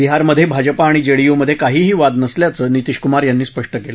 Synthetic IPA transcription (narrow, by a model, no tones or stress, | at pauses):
biɦaɾməd̪ʱjebʱad͡ʑəpaːɽ̃id͡ʑeɭijoməd̪ʱjekaɦiːɦiːʋad̪nəsljat͡səːnit̪iʂkumaɾjanːiːspəʂʈəkelə